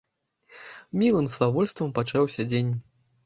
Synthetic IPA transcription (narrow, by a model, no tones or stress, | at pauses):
mʲilˠɨmslˠavɔlʲst̪vɐmpat͡ʂawsʲɐd͡zʲenʲ